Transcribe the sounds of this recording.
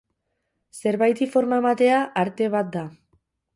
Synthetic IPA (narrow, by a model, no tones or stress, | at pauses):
se̞ɾβajt̪ifo̞ɾmaemat̪e̞aʔaɾt̪e̞β̞at̪̚d̪a